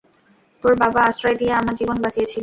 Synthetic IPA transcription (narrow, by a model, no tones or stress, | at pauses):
t̪oɾbabaasʃɾaed̪ijeamad͡ʑibonbad͡ʑijet͡ɕʰilo